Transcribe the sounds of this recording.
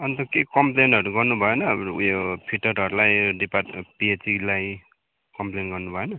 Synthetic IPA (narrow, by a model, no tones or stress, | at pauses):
ʌnit̪ʌkekʌmplenʌɾuɡʌrnubʱʌenʌjopʰiʈʌɾʌɾulajɖipapiet͡silaj | kʌmplenɡʌrnubʱʌenʌ